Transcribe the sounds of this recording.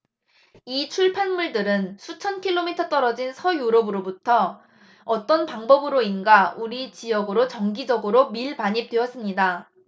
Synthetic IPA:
it͡ɕʰuɭpʰanmuɭdɯɾɯnsʰut͡ɕʰʌnkʰiɭːomitʰʌt͈ʌɾʌd͡ʑinsʰʌjoɾʌbɯɾobutʰʌ | ʌt͈ʌnpaŋbʌbɯɾoinɡauɾit͡ɕijʌɡɯɾot͡ɕʌŋɡid͡ʑʌɡɯɾomiɭpaɲip̚t͈weʌs͈ɯmɲida

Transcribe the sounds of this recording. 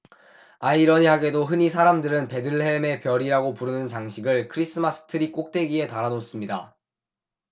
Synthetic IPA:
aiɾʌɲiɦaɡe̞doɦɯɲisʰaɾamdɯɾɯnpe̞dɯɭhe̞me̞pjʌɾiɾaɡopuɾɯnɯnt͡ɕaŋɕʰiɡɯɭkʰɯɾis͈ɯmas͈ʰɯ̥tʰɯɾik͈ok̚t͈we̞ɡiɦe̞taɾanos͈ɯmɲida̰

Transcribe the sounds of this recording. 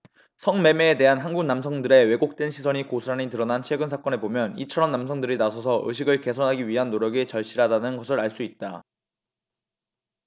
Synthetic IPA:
sʰʌŋme̞me̞ːte̞ɦanɦanɡuɡnamsʰʌŋdɯɾe̞we̞ɡok̚t͈e̞nɕʰisʰʌɲikosʰuaɲitɯɾʌnant͡ɕʰwe̞ɡɯns̬ʰak͈ʌne̞bomjʌnit͡ɕʰʌɾʌmnamsʰʌŋdɯɾinasʰʌsʰʌʔɯ̰ɕ̬ʰiɡɯɭke̞sʰʌnɦaɡiɥiɦanːoɾjʌɡet͡ɕʌɭɕ͈iɾɦadanɯnɡʌsʰɯɾaɭs͈uit̚t͈a

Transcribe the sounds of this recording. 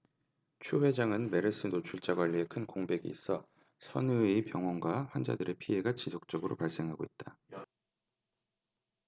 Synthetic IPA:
t͡ɕʰuɸwe̞d͡ʑaŋɯnme̞ɾɯs͈ʰɯnot͡ɕʰuɭt͡ɕ͈aɡwaʎːie̞kʰɯnkoŋbe̞ɡḭːs͈ʌ | sʰʌnɯipjʌŋwʌnɡwaɸwand͡ʑa̰dɯɾe̞pʰiɦe̞ɡat͡ɕisʰok̚t͡ɕ͈ʌɡɯɾo̰paɭs͈e̞ŋɦaɡoit̚t͈a

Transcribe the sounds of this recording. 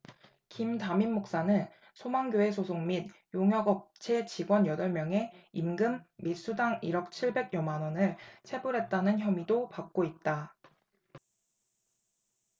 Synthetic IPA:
kimtaminːok̚s͈anɯn | sʰomaŋɡjoe̞s̬ʰosʰoŋmid̚joŋjʌɡʌp̚t͡ɕʰe̞t͡ɕiɡwʌnjʌdʌɭmjʌŋe̞imɡɯmːis͈udaŋiɾʌk̚t͡ɕʰiɭbe̞ɡ̚jʌmanʌnɯɭt͡ɕʰe̞buɾɦe̞t̚t͈anɯnçjʌmidopak̚k͈oit̚t͈a

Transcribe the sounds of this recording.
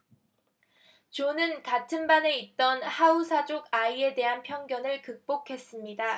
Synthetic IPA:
t͡ɕonɯnkatʰɯnbane̞it̚t͈ʌnhausʰad͡ʑoɡaie̞de̞ɦanpʰjʌŋɡjʌnɯɭkɯk̚p͈okʰe̞s͈ɯmɲida

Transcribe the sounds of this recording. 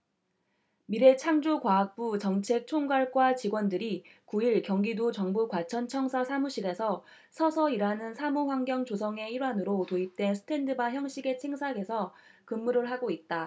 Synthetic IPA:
miɾe̞t͡ɕʰaŋd͡ʑokwaːk̚p͈ut͡ɕʌŋt͡ɕʰe̞k̚t͡ɕʰoŋɡaɭɡ͈wat͡ɕiɡwʌndɯɾikuiɭkjʌŋɡidut͡ɕʌŋbukwat͡ɕʰʌnt͡ɕʰʌŋsʰasʰamuɕʰiɡe̞sʰʌ | sʰʌsʰʌiɾanɯnsʰamuɸwaŋɡjʌŋt͡ɕosʰʌŋe̞iɾwanɯɾotoip̚t͈we̞nsʰɯ̥tʰe̞ndɯbaçjʌŋɕ͈ʰiɡe̞t͡ɕʰeŋsʰaɡe̞sʰʌkɯmːuɾɯɭɦaɡoit̚t͈a

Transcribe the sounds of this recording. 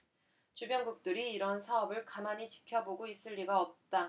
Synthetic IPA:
t͡ɕubjʌŋɡuk̚t͈ɯɾiːɾʌnsʰaʌbɯɭkamaɲit͡ɕi̥kʰjʌboɡois͈ɯʎːiɡaʌp̚t͈a

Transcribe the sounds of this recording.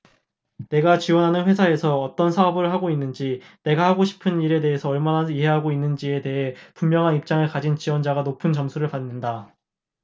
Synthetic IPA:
ne̞ɡat͡ɕiwʌnɦanɯnɸwe̞sʰae̞sʰʌʌt͈ʌnsʰaɦʌbɯɭɦaɡoinːɯnd͡ʑine̞ɡahaɡoɕʰi̥pʰɯniɾe̞de̞ɦesʰʌʌɭmanaiɦe̞ɦaɡoinːɯnd͡ʑie̞te̞ɦe̞pummjʌŋɦanip̚t͡ɕ͈aŋɯɭkad͡ʑint͡ɕiwʌnd͡ʑaɡanopʰɯnt͡ɕʌmsʰuɾɯɭpanːɯnda

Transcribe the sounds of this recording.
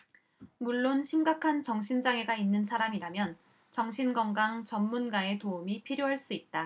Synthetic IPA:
muɭːonɕʰimɡakʰant͡ɕʌŋɕʰind͡ʑaŋe̞ɡainːɯnsʰaɾamiɾamjʌn | t͡ɕʌŋɕʰinɡʌŋɡaŋt͡ɕʌmːunɡae̞toumipʰiɾjoɦaɭs͈uit̚t͈a

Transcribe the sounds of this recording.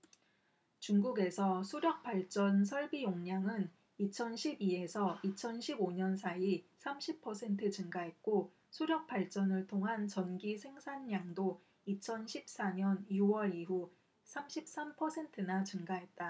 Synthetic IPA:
t͡ɕuŋɡuɡe̞sʰʌsʰuɾjʌk̚p͈aɭt͡ɕ͈ʌns̬ʰʌɭbijoŋɲaŋɯn | it͡ɕʰʌnɕʰibie̞sʰʌit͡ɕʰʌnɕʰiboɲʌnsʰaisʰamɕʰipʰʌsʰe̞ntʰɯt͡ɕɯŋɡaɦe̞t̚k͈o | sʰoɾjʌk̚p͈aɭt͡ɕ͈ʌnɯɭtʰoŋɦant͡ɕʌnɡisʰe̞ŋsʰanːaŋdo | it͡ɕʰʌnɕʰip̚s͈aɲʌnjuwʌɾiɦu | sʰamɕʰip̚s͈ampʰʌsʰe̞ntʰɯnat͡ɕɯŋɡaɦe̞t̚t͈a

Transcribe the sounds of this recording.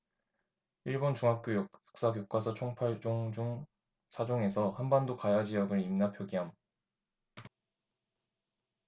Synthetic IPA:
iɭbont͡ɕuŋɦak̚k͈jojʌk̚s͈ak̬jok͈wasʰʌt͡ɕʰoŋpʰaɭd͡ʑoŋd͡ʑuŋ | sʰad͡ʑoŋe̞sʰʌhanbandokajad͡ʑiʌɡɯɾimnapʰjoɡiɦam

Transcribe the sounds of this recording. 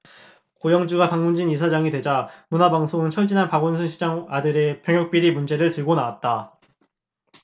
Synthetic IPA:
kojʌŋd͡ʑuɡapaŋmund͡ʑinisʰad͡ʑaŋidwe̞d͡ʑamunabaŋsʰoŋɯnt͡ɕʰʌɭd͡ʑinɦanpaɡonsʰɯnɕʰid͡ʑaŋadɯɾepjʌŋjʌk̚p͈iɾimund͡ʑe̞ɾɯɭtɯɭɡonawat̚t͈a

